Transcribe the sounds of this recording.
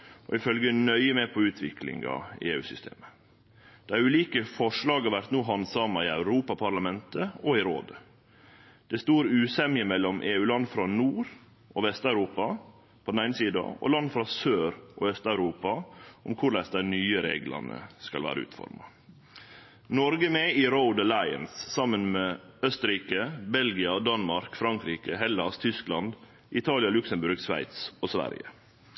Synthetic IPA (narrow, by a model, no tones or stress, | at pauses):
ʔɔ̰ɪfœlɡənœʏəmɛpʰɔʉːt̪ʰʋɪkʰlɪ̰ŋɑ̰eːʉ̰ːsʏst̪ʰḛːmə | d̪̥ɛæɾʉːliːkəfɔʂlɑːɡɑɾʋæɾt̪nuːɦɑnd̪sɑmːɑɪæʉɾuːpɑpʰɑɾɭɑmɛnt̪əɔɪɾo̰ːd̪ə | d̪̥ɛst̪uːɾʉːsɛmɪəmɛlːɔmʔeːʉːlɑnfɾɑnuːɾ | ʔɔʋɛst̪æʉɾuːpɑ | pʰɔd̪n̩æɪnəsiːd̪ɑ̰ɔ̰lɑnfɾɑsøːɾʔoːœst̪ɑʉɾuːpɑʔʊmkʰʊɾlæɪsd̪æɪnyːəɾḛːɡlə̰nə̰skɑ̰lʋæ̰ːɾə̰ʉ̰ːt̪fɔ̰ɾmɑ | nɔɾɡəmeːiɾoʊd̪əlæɪə̰nsːɑmːənmeːœst̪əɾiːkəbɛlɡɪɑd̪ɑnmɑɾkfɾɑŋkɾiːkəɦɛlɑst̪ʰʏsklɑnd̪ | ʔɪt̪ʰɑːlɪɑlʉksəmbʉɾɡsʋæ̰ɪt̪soːsʋæ̰ɾjə̰